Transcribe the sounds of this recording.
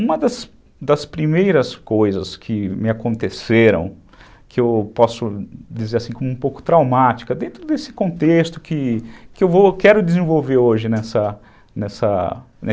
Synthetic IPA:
ũmɐd̪ɐs | d̪ɐspɾimejɾɐskojzɐskʰɪmɪakõnt̪eseɾɐ̰̃w̃ | kɪewpɔsʊd͡ʒizeɾasĩkõmʊũpowkʊ̥t̪ɾawmat͡ʃi̥kɐd̪ẽnt̪ɾʊd̪esɪ̥kõnt̪est̪ʊkɪkɪewvokɛɾʊd͡ʒɪzẽvowveɾoʒɪnɛsɐ | nɛsɐ̰ | nɛ

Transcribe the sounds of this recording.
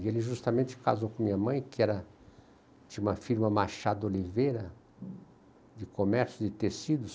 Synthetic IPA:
elɪʒust̪ɐmẽnt͡ʃɪ̥ka̰zowkõmĩɲɐmɐ̃j̃kɪɛɾɐ | d͡ʒɪũmɐfiɾmɐmaʃad̪ʊolivejɾɐ | d͡ʒɪkomɛɾsjʊd͡ʒɪt̪esid̪ʊs

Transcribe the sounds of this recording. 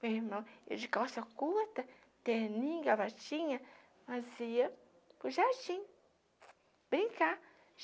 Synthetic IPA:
eɾmɐ̃ḛwd͡ʒikawsɐkuɾt̪ɐ | t̪enĩɡavat͡ʃĩɲɐ | maziɐ | pʊʒaɾd͡ʒĩ | bɾĩŋka

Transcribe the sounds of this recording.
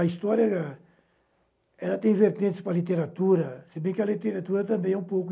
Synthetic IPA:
ɐist̪ɔɾjɐɐ | ɛlɐt̪ẽj̃veɾt̪ẽnt̪ɪ̥spɾɐlit̪eɾat̪uɾɐsɪbẽj̃kɪɐlit̪eɾat̪uɾɐt̪ɐ̃mbẽj̃ɛũpowkʊ

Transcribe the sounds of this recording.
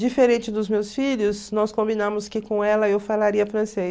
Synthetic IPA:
d͡ʒifeɾẽnt͡ʃɪd̪ʊzmewsfiʎʊsnɔskõmbinãmʊskɪkõɛlɐewfalaɾiɐfɾɐ̃se

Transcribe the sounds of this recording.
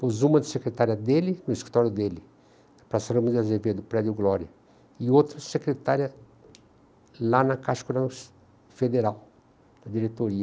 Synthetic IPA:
pozũmɐd̪ɪsekɾet̪aɾjɐd̪elɪnʊiskɾit̪ɔɾjʊd̪elɪ | pɾasaɾɐmud̪ɪazeved̪ʊpɾɛd͡ʒ̪ʊɡlɔɾjɐ | ɪot̪ɾɐsekɾet̪aɾjɐ | lanɐkaʃkʊnɐ | fed̪eɾaw | d̪̥ɐd͡ʒ̪iɾet̪oɾiɐ

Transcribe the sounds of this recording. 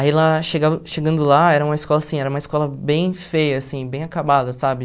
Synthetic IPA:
ailaʃeɡavɐʃeɡɐ̃nd̪ʊlaɛɾɐũmɐiskɔlɐasĩɛɾɐũmɐiskɔlɐbẽj̃fejɐːsĩbẽj̃akabad̪ɐsabɪ

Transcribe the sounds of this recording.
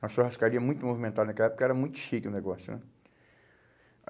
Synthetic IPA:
ɐsuɐhaskaɾiɐmũj̃t̪ʊmovimẽnt̪ad̪ɐnɐkɛlɐɛpo̥kɐɛɾɐmũj̃t̪ʊ̥ʃikɪñneɡɔsjʊ̰nɛ̰

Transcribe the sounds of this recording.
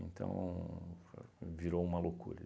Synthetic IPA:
ẽnt̪ɐ̰̃w̃ | viɾoumɐlokuɾɐ

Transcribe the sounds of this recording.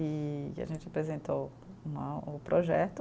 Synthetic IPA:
ia̰ʒẽnt͡ʃɪapɾezẽnt̪ow | ũmɐʊpɾʔoʒɛt̪ʊ

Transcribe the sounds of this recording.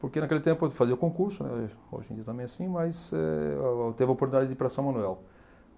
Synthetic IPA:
poɾkenɐkelɪt̪ẽmpʊfaziɐkõkuɾsʊnɛ̰o̰ʒẽdd͡ʒiɐt̪ɐ̃mbẽj̃asĩmɐjsɛ̰t̪evɪopoɾt̪unid̪ad͡ʒɪdɪpɾasɐ̃mɐ̃nuɛl

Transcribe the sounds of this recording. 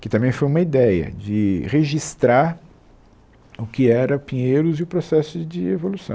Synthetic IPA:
kɪt̪ɐ̃mbẽj̃fojũmɐid̪ɛjɐ̰d͡ʒɪʁeʒist̪ɾaɾ | ʊkɪɛɾɐpĩɲeɾʊzɪʊpɾosɛsʊd͡ʒɪevolusɐ̰̃

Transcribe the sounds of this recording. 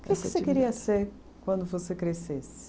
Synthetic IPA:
kesksekiɾiɐseɾ | kwɐ̃nd̪ʊvosekɾesesɪ̥

